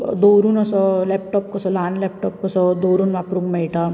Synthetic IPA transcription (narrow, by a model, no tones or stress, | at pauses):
d̪oːɾunɐsɔleːpʈɔːp̚kɔsɔlaːnlep̚ʈɔːp̚kɔsɔd̪oːɾunʋapɾukmeiʈa